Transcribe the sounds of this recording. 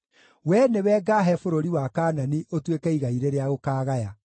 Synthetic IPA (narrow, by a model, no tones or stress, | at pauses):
wɛnewɛːɡaɦɛfoɾoɾiwakaːnaniʔotwekɛiɣaiɾeɾeaɣokaːɣaja